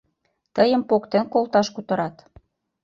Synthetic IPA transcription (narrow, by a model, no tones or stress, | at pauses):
t̪əjəmpokt̪enkolt̪ɑʃkut̪ɤ̆ɾɑt̪